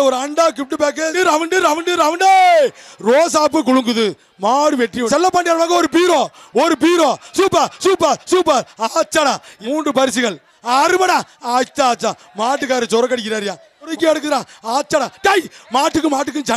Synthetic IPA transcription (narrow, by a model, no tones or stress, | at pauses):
ɔɾɯɐɳɖaːk̬ɪp̚ʈːɯpeːk̬eɯɾɐʋɐɳɖɯɾɐʋɐɳɖɯɾɐʋɐɳɖeɾoːs̬aːp̬ːɯk̬ʊɻɯŋɡɯðɯ | maːɽɯmɛʈriʋɔsɛlːɐpːaːɳɖɪjaːnɐmaːɣɐɔɾɯp̬iːɾõː | ɔɾɯp̬iːɾõːsuːpːɐsuːpːɐsuːpːɐɾaːt͡ʃːanaɪmuːɳɖɯpɐɾɪs̬iɣɐɭ | aːɾɯmɐnãaːt͡ʃːaaːt͡ʃːa | maːʈːɯkːaːɾɐt͡ʃɔɾɐkːɐɽɪkːɪɾaːɾɪjãː | ɔɾɐkːɯɛɽɯk̬ːɯɾãːaːt͡ʃːɐnãkɐjmaːʈːɯkːɯmaːʈ̬ːɯk̬ːɯt͡ʃɐ